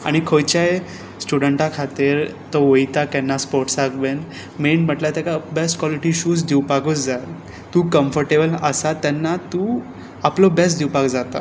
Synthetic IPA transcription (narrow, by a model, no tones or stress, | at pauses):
a̰ɽ̃ikʰojt͡ɕaj | sʈuɽəɳʈãkʰat̪iɾt̪ɔʋojt̪akɛnːaspoɾʈsaɡben | meɳm̤əʈlat̪jakabesʈkʋɔliʈiɕuːsd̪iwpaɡut͡sd͡za | t̪ũːkəmfəɾʈebələsat̪jɛnːat̪ũː | aplobɛs̬ʈd̪iwpaɡd͡zat̪a̰